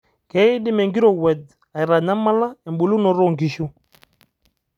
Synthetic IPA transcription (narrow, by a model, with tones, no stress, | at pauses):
kɛ˨˦i˦di˦mɛ˨ŋɡi˦ɾɔ˨wɛ˨d | a˨i˨ɾa˨ɲa˦ma˦la˦ɛ˨mbu˨lu˦nɔ˨ɾɔ˦˨ŋɡi˨ʃu˦